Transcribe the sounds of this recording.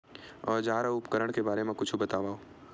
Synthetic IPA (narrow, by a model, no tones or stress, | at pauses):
ɔːɾd͡ʒaːɾaʊpkəɾəɽ̃kebaːɾemẽkʊt͡ʃʰubɐt̪aːʋaːoː